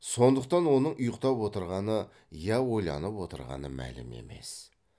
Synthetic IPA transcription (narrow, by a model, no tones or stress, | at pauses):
so̞nd̪əqt̪ɑnwo̞nəɴʔʊjəqt̪ɑpwo̞t̪əɾʁɑnə | jɑwo̞jlˠɑ̰nəpwo̞t̪əɾʁɑ̰nəmæ̰lɪme̞̰me̞̰s